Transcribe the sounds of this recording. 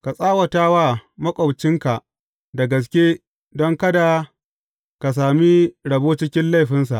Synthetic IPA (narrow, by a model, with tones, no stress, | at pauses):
ka˨sʼaː˦wɐ˨taː˦wa˦mɐ˦kʷʼɔ˨wt͡ʃɪ˦ŋka˨ʔ | da˨ɡɐ˨s̬kʲe˦ | dɔ˦ŋkɐ˦da˨ | ka˨s̬aː˨mi˦ɽɐ˨boː˦t͡ʃɪ˦kʲɪ˦nla˦˨jɸɪ˦nsa̰˨ʔ